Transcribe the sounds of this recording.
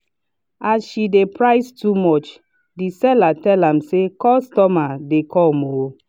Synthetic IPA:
azʃidepɹaɪstumɔt͡ʃ | disɛlatɛlãmsekɔstɔmadekɔlmo

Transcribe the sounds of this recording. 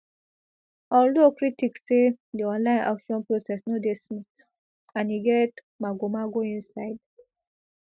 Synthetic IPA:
ɔldokɾitiksːediɔ̃nlãɪ̃nʔa̰kʃɔ̃npɹosɛsnodesmit | ãniɡɛt | maɡomaɡoĩnsaɪd

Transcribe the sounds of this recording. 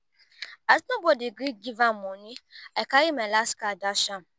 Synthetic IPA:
asnobodiɡɾik̚ɡivanmũnĩakaɾimɛlaskadaʃam

